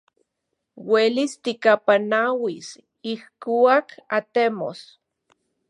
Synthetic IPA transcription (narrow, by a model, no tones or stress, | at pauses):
welist̪ikapanawis | ihkuakat̪emo̰s